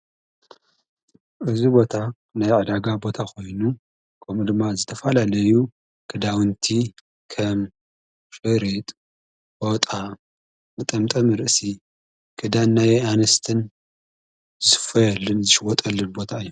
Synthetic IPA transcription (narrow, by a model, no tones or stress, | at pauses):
ʔɨzibo̞t̪ʰa | najʕɨd̪aɡabo̞t̪ʰakʰo̞jnu | kʰɐmud̪ɨmːazɨt̪ʰɐfɐlalɐju | kʰɨd̪awɨnt̪ʰi | kʰɐm | fʼɨɾit̪ʼ | bot̪ʼa | mɨt̪ʼɐmt̪ʼɐmɨɾɨʔsi | kʰɨd̪anːajanɐst̪ʰɨn | zɨsɨ̥fɐjɛlːɨnzɨʃɨwɔt̪ʼɐlːɨnbo̞t̪ʰaɨjːu